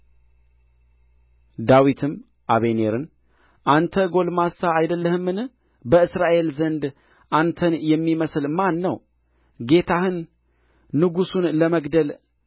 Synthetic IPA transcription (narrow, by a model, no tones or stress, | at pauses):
d̪awit̪ʰɨm | ʔaβene̞ɾɨn | ʔant̪ʰəɡo̞lmasaːjd̪əlːəhɨmːɨn | bəɨsɾaʔe̞lzənd̪ | ʔant̪ʰənjɛmːiməslmanːəw | ɡe̞t̪ʰahɨnː | ɨɡusunləməɡd̪əl